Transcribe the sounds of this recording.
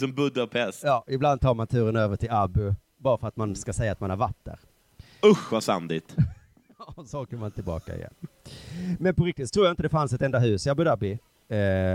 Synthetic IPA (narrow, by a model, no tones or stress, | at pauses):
sɔmbɵd̪apʰɛsjɑːɪbland̪̚t̪ʰɑːɾmant̪ʰʉːɾənøːvəʈʰɪlabʉ | bɑːɾafəɾat̪manskasɛjːaːt̪̚manhaɾvat̪ːə̰ɾ | ʊxvasa̰nd̪ɪt̪ | ɑsɔɔkəmant̪ʰɪlbɑ̰ːka̰ɪ̰jɛ̰n | mɛnpɔɾɪk̚t̪ɪt̪ʰːɾuːjaɪnt̪əd̪ɛfansɛt̪ɛnd̪aɦʉ̟ːsɪabʉd̪abɪ